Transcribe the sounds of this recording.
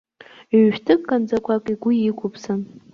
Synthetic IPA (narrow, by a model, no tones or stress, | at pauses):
ɥʃᶣtʰɨkʼkʼːand͡zakʷʰakʼiɡʷʊikʷʰʊpʰsɨn